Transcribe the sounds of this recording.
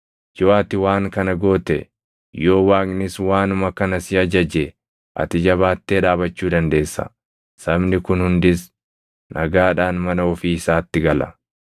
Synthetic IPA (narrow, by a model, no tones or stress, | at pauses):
d͡ʒoːʔɐt̪ɪwaːŋkɐnɐɡo̞ːt̪ɛ̰ | jo̞ːwaːɡnɪswaːnʊmɐkɐnɐsɪɐd͡ʒɐd͡ʒɛ | ʔɐ̰t̪ɪd͡ʒɐβaːt̪ːeːᶑaːbɐt͡ʃːuːd̪ɐnd̪e̞ːsːɐ̰ | sɐbnɪkʊnhʊnd̪ɪs | nʔɐɡaːᶑaːnmɐnɐɔfiːɪsaːt̪ːɪɡɐlɐ̰